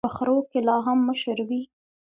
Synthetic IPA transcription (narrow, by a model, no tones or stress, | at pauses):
əxɾokelɑɦamːəʃəɾwi